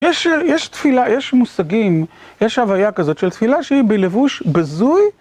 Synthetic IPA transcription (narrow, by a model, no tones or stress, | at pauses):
jeʃjeʃt̪filajeʃmusaɡim | jeʃhavajakazo̞t̪ʃelt̪filaʃeibelevuʃbazuj